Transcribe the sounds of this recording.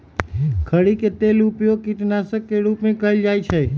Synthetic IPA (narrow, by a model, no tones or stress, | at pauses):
kʰəɽiket̪elupjoɡkit̪nasəkːeɽupnekəjld͡ʒajt͡ʃʰe